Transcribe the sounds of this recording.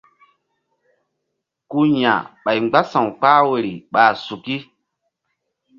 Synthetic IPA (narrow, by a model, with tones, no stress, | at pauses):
ku˦ɲã̰˨ɓa˨jɡ͡ba˦sã˨wk͡paː˦we˨ɾi˨ɓaː˨su˨ki˦